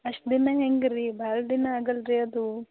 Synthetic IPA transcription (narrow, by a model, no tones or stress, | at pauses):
ɐʂʈd̪inɐɦeŋɡɾibaːɾɐd̪inɐaːɡɐlɾiɐd̪u